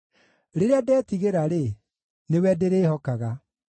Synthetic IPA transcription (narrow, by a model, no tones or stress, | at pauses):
ɾeɾeadɛːtiɣeɾaɾe | newɛdeɾeːhɔkaɣa